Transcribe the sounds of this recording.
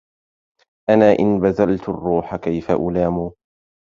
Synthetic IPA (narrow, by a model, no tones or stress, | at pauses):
ʔanaːʔɪnbaðalt̪arːuːħakajfa̰ʔʊlaːmuː